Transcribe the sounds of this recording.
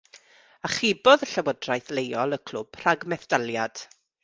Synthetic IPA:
aχɪbɔðəɬawɔdrajθlejɔlˠəkʰl̥ʊb̥r̥aɡmɛθd̥alˠjad̥

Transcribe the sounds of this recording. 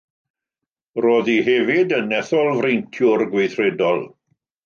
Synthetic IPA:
roːðiɦɛvɪdənɛθɔlˠvrejntʰjʊrɡwejθrɛdɔlˠ

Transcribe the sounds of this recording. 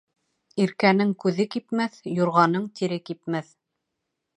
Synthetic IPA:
iɾkænɘŋkʉðɘkipmæθjŏɾʁɑnɤɴt̪iɾɘkipmæθ

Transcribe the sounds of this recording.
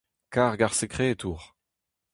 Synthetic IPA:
kaːʁɡaʁsekχeːt̪ʰuːʁ

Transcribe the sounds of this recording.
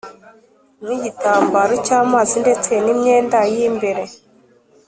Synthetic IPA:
miɟitaːmbaɾocaːmaːzinde̞t͡senimɲeːndajimbeɾe̞

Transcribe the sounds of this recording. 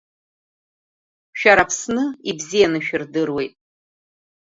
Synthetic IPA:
ʃᶣaɾapʰsnɨibzijanɨʃᶣɪrdɨrwe̞jtʼ

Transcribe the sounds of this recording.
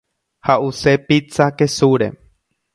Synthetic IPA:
haʔusepit͡sakesuɾḛ

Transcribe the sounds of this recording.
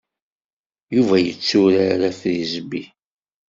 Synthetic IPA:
juvæjə̰t͡sːʊɾaɾæθɾizbi

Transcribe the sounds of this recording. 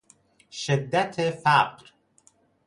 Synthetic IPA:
ʃed̪ːæt̪ʰefæqɾ

